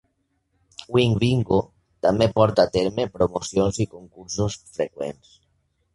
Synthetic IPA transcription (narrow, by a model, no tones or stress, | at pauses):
wiŋβiŋɡo | t̪amepɔɾt̪at̪eɾmepɾomosjonzikoŋkuɾsosfɾekwḛns